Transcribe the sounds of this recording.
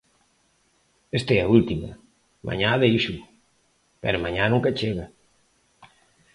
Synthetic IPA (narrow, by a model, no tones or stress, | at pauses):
est̪ɛɐult̪imɐ̰ | mʔa̰ɲaðejʃu | pɛ̰ɾomaɲanũŋkɐt͡ʃeɣɐ